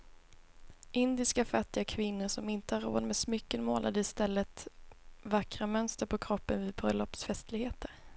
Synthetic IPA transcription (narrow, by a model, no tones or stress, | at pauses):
ʔɪnd̪ɪskafat̪ːɪɡakʰvɪnːʊʂɔmɪnt̪əhaɾːo̰ːd̪mɛsmʏkːənmoːlʔa̰d̪əɪst̪ɛlːət̪ | vakɾamœnst̪əɾpʰɔkʰɾɔpːənvɪːd̪̚bɾœlːɔpsfɛst̪lɪɡheːt̪ʰəɾ